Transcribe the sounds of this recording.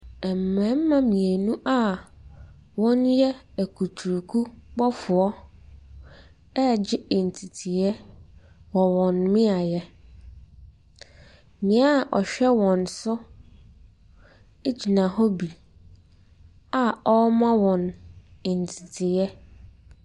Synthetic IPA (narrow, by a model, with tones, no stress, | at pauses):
ɛ˨m̩˨mɛ̃˨˦m̩˦mã˦mĩ˨e˨nũ˦ʔa˦ | wɔ̃˦njɛ˦æ˨kʰu˨tʰu˨ɾkʰu˦bɔ˦fʊ˨ɔ˦ | ɛ˦d͡ʑɪ˦e˨n̩˨tʰi˨tʰi˨jɛ˦ | wɔ˨wɔ̃˨nmɪ̃˦a˨jɛ˦ | mɪ̃˨a˦˨ʔɔ̰˨ɕᶣɛ˦wɔ̃˨nsʊ˦ | e˦d͡ʑi˨nã˨hɔ˦bi˨ | a˦ɔ˦mã˦wɔ̃˨ne˨n̩˨tʰi˨tʰɪ˨jɛ˦